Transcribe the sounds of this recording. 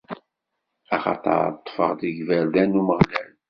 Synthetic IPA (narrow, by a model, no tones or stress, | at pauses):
ɑχɑ̰t̪ˤɑ̰ɾt̪ˤːfə̰ʁðiʝvæɾðænːuməʁlæl